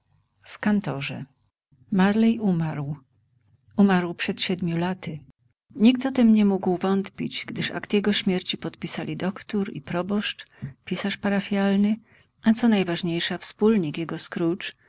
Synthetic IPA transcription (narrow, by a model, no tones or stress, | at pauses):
fkant̪ɔʐɛ̰ | maɾlɛjʔumaɾw | umaɾwpʂɛt̪ɕɛd̪mʲjulat̪ɘ | ɲikt̪ɔt̪ɛmɲɛmuɡwvɔnt̪pʲit͡ɕɡd̪ɘʂa̰kt̪jɛɡɔɕmʲjɛɾt͡ɕipɔt̪pʲisalʲid̪ɔkt̪uɾḭpɾɔbɔʂt͡ʂpʲisaʂpaɾafʲjalnɘ | ʔat̪sɔnajvaʐɲejʂafspulɲikjɛɡɔskɾut͡ʂ